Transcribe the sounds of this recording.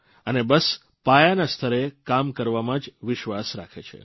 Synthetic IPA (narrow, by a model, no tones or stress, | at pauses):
ənebəs | pajanast̪ʰəɾekamkəɾʋamãd͡ʒʋɪʃʋasɾa̰kʰḛt͡ʃʰḛ